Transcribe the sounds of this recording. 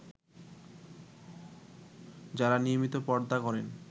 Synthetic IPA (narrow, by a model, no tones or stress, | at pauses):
d͡ʑaɾaniomit̪opɔɾd̪akɔɾen